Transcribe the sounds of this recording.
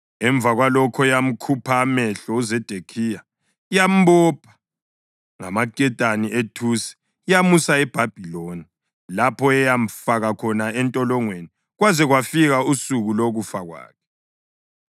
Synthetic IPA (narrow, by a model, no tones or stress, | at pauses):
ɛɱb̪vʱaɣwalɔkʰɔjam̩kʰupʰaːmɛɬɔuzɛd̥ʱekʰija | ijam̩bɔpʰḁ | ŋa̰makʼɛtʼaniʔetʰusɛ̥ | jamusaɛb̥ʱab̥ʱiloni | lapʰɔɛjam̩faɣakʰɔnaɛntʼɔlɔŋweni | ɣwazɛɣwafiɣausuɣuloɣufaɣwa̰ːkʰɛ̥